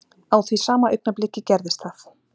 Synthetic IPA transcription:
awθvisaːmaœjk̚naplɪcːɪcɛɾðɪst̪θaθ

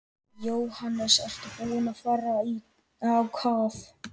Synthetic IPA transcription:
jowhanːɛsɛr̥t̪akunafaːɾai | awkʰaːθ

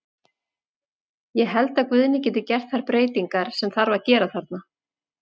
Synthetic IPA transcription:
jɛɦɛlt̪aðkvʏðnɪcɛːt̪ɪcɛr̥t̪̚θaɾpɾeːjt̪iŋkaɾ̥sɛmθaɾvaɾcɛːɾaθaɾt̪̚na

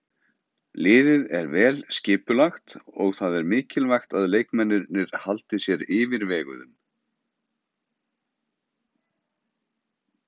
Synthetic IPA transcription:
lɪːðɪðɛɾvɛːlscɪːpʏlaxt̪ɔ̰ɣθaðɛɾmɪːcɪlvajxt̪aðleːjkmɛnːʏɾnɪɾ̥halt̪ɪsjɛɾɪːvɪɾvɛːɣʏ̰ðʏm

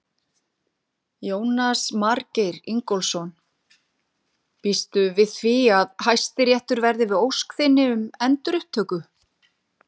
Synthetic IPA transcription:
joːwnasmaɾcejɾiŋkɔlsɔn | pist̪ʏvɪðθviaðhajst̪ɪɾjɛht̪ʏɾvɛɾðɪvɪðowskθɪnːɪʏmɛnt̪ɾʏht̪ʰːœːkʏ

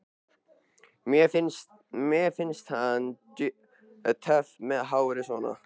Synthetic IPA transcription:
mjɛfɪns | mjɛfɪnst̪han | t̪ʰœfmɛðɦawɾɪsvɔːna̰

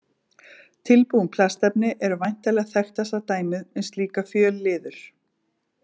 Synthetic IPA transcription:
t̪ʰɪlpuwʏmpʰlast̪ɛpnɪʔɛɾʏvajn̥t̪aɛjlɛɣθɛxt̪ɛsat̪aːjmɪðɛnst̪liːkafjœːlːɪːðʏɾ̥

